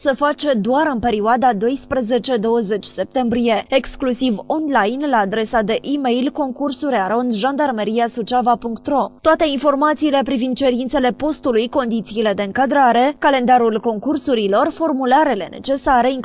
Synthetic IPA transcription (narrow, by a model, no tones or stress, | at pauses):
səfat͡ʃe̞d̪oaɾɨnpe̞ɾioad̪ad̪o̞jspɾəze̞t͡ʃe̞d̪o̞wəze̞t͡ʃʲse̞p̚t̪e̞mbɾije̞eksklusivo̞nlajnlaːd̪ɾe̞sad̪e̞ʔime̞jlko̞ŋkursuɾeaɾo̞nʒand̪armeɾiasut͡ʃavapuŋkt̪ro̞t̪oat̪e̞info̞rmat̪siːle̞pɾivind̪̚t͡ʃe̞ɾint̪se̞le̞po̞st̪ulujko̞nd̪it̪siːle̞d̪e̞ɨŋkad̪ɾaɾe̞kale̞nd̪aɾulko̞ŋkursuɾilo̞rfo̞rmulaɾele̞̰ne̞̰t͡ʃe̞saɾe̞iŋ